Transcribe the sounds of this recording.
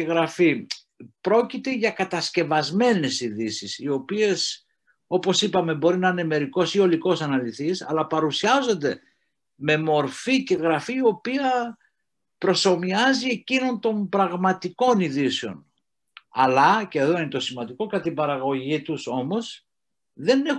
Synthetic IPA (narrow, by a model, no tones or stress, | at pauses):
ɣɾɐfi | pɾo̞cit̪e̞ʝɐkɐt̪ɐsce̞vɐzme̞ne̞siðisisio̞pie̞s | o̞po̞sipɐme̞bo̞ɾinɐine̞me̞ɾiko̞sio̞liko̞sɐnɐliθisɐ̰lɐpɐɾusiɐzo̞nd̪e̞ | me̞mo̞ɾfice̞ɣɾɐfiːo̞piɐ | pɾo̞so̞miɐzie̞cino̞nt̪o̞mbɾɐɣmɐt̪iko̞niðiseo̞̰n | ɐ̰lɐceːðo̞inet̪o̞simɐnd̪iko̞kɐt̪ibɐɾɐɣo̞ʝit̪uso̞mo̞s | ðe̞ne̞